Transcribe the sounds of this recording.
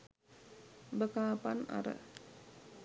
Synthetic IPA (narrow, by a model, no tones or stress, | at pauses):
bəkaːpana̰ɾə̰